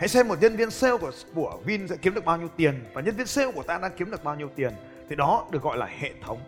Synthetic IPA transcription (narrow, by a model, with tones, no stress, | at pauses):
ha̰˧˥jsɛ˧mːo˨˩t̚ɲə˧nvi˧ənse˧wku˧˩ə | ku˧˩əvi˧nsɛ̰˧˥ki˨˦mɗɨ˨˩ək̚ɓːwɲi˧əwt̪i˨˩ənvaː˨˩ɲə˧nvi˧ənse˧wku˧˩ət̪aː˧ɗaː˧ŋki˨˦əmɗɨ˨˩ək̚ɓaː˧wɲi˧əwt̪i˨˩ən | t̪ʰi˨˩ɗɔ˨˦ɗɨ˨˩ək̚ɣɔ̰˧˨laː˨˩hḛ˧˨t̪ʰə˨˦wŋ͡m